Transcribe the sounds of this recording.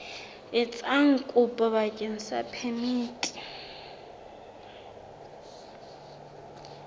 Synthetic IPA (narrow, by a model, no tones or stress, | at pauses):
ɪt͡sʼaŋ̩kʼʊpʼɔβakʼen̩sapʰemiːtʼi̥